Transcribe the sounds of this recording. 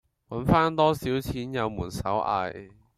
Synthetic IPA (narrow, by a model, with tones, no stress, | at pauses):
wɐ˨˥nfaː˥nt̪ɔː˥siː˨˥wt͡sʰiː˨˥njɐ˨˧wmuː˨˩nsɐ̰˨˥wʔa̰ː˧j